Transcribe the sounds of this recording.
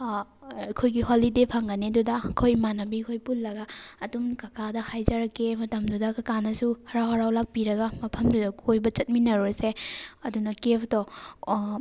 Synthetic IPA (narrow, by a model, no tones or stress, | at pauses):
kʰojɡiholidepʰɐŋɡɐnedudɐkʰojmanɐbikʰojpulːɐɡɐːdumkakʰadɐhajzaɾɐkːemɐtɐmdudɐkakanɐsuhɐɾawɦɐɾawlak̚piɾɐɡɐmɐpʰɐmdudɐkʰojbɐt͡ʃɐt̚minɐɾoɾseɐdunɐkepʰtɔ